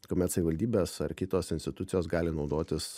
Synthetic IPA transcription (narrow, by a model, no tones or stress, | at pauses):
koːmʲɛt̪sɐʋʲɪʋɐlʲd̪ʲiːbʲeːsɐɾkʲɪt̪oːsɪnʲsʲt̪ʲɪt̪ʊt̪sʲɪjoːsɡɑːlʲɪnɒʊd̪oːt̪ʲɪs